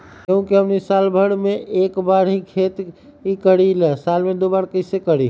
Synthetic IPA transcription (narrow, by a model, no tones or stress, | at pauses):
kəũkiənisalbʱəɽmeʔekbaɽɦĩkʰet̪ | ikəɽilɛsalmẽd̪obaɾkəsekəɽi